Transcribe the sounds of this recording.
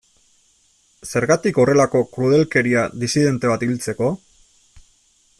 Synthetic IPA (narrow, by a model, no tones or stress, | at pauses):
se̞ɾɣat̪iko̞re̞lako̞kɾuð̞e̞lke̞ɾiaðisiðe̞nt̪e̞β̞at̪ilt͡se̞ko̞